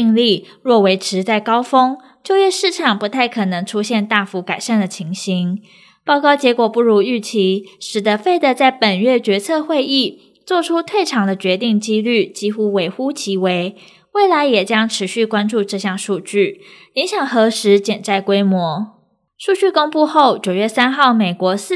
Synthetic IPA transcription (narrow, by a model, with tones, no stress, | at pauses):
ŋli˥˩ | ɻwɔ˥˩we˧˥ɪʈ͡ʂʰɻ̩˧˥t͡sa˥˩ɪkɑ˥ʊfɤ˥ŋ | t͡ɕjo˥˧ʊjɥɛ˥˧ʂɻ̩˥˩ʈ͡ʂʰɑ˨˩ŋpu˧˥t̪ʰa˥˩ɪkʰɤ˨˩nɤ˧˥ŋʈ͡ʂʰu˥ɕjɛ˥˧nt̪a˥˩fu˧˥ka˨˩ɪʂa˥˩nd̪ə˩t͡ɕʰi˧˥ŋɕi˧˥ŋ | pɑ˥ʊkɑ˥˩ʊt͡ɕjɛ˧˥kwɔ˨˩pu˥˩ɻu˧˥y˥˩t͡ɕʰi˧˥ʂɻ̩˨˩d̪ə˦fe˥˩ɪd̪ə˨t͡sa˥˩ɪpə˨˩nɥɛ˥˩t͡ɕɥɛ˧˥t͡sʰɤ˥˧xwe˥˧ɪi˥˩ | t͡swɔ˥˩ʈ͡ʂʰu˥t̪ʰwe˥˩ɪʈ͡ʂʰɑ˧˥ŋd̪ə˧t͡ɕɥɛ˧˥t̪i˥˩ŋt͡ɕi˥ly˥˩t͡ɕi˥xu˥we˧˥ɪxu˥t͡ɕʰi˧˥we˧˥ɪ | we˥˩ɪla˧˦ɪjɛ˨˩t͡ɕjɑ˥ŋʈ͡ʂʰɻ̩˧˥ɕy˥˩kwa˥nʈ͡ʂu˥˧ʈ͡ʂɤ˥˧ɕjɑ˥˧ŋʂu˥˧t͡ɕy˥˩ | i˧˥ŋɕjɑ˨˩ŋxɤ˧˥ʂɻ̩˧˥t͡ɕjɛ˨˩nt͡sa˥˩ɪkwe˥ɪmwɔ˧˥˦ | ʂu˥˧t͡ɕy˥˩ko˥ŋpu˥˧xo˥˩ʊt͡ɕjo˨˩ʊɥɛ˥˩sa˥nxɑ˥˩ʊme˨˩ɪkwɔ˧˥s̩˥˨